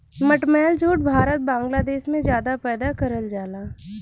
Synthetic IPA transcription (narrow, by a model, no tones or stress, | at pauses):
məʈmɛːld͡ʒoːʈbʱaːɾət̪̚bãːŋɡlaːd̪eːʃmẽd͡ʒjaːd̪apɛːd̪akəɾəld͡ʒaːlaː